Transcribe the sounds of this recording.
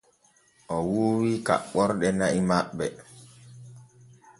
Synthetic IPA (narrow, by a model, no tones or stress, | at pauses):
ʔɔwuːwika̰ɓɔɾɗɛnaʔimaɓːɛ